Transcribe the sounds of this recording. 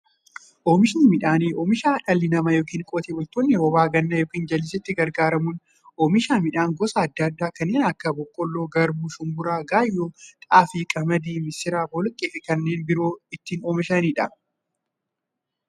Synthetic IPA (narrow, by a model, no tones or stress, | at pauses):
ʔoːmɪʃɪnimɪᶑaːniːʔoːmɪʃaːᶑɐlːɪnɐmɐjoːkiːŋkʼɔːt̪eːbʊlt̪onːɛɔbaːɡɐnːɐjoːkiːnd͡ʒɐlːɪs̬ɛt̪ːɪɡɐɾɡaːɾɐmʊn | oːmɪʃaːmɪᶑaːŋɡɔsɐɐd̪ːɐɐd̪ːaːkɐnːeːnɐkːɐbɔkʼːɔlːoːɡɐɾbʊʃʊmbʊɾaːɡaːjːoːt̪ʼaːfiːkʼɐmɐd̪iːmɪsɪɾaːbɔlkʼeːfɪkɐnːeːnbɪɾoːɪt̪ːiːnoːmɪʃɐniːᶑɐ